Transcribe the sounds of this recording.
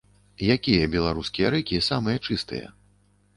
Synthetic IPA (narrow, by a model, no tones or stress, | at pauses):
jakʲijɐbʲɛlˠaɾuskʲijɐɾɛkʲisamɨjɐt͡ʂɨst̪ɨ̰jɐ̰